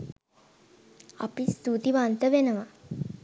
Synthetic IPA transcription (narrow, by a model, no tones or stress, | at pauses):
a̰pist̪ut̪iʋant̪əʋenəʋa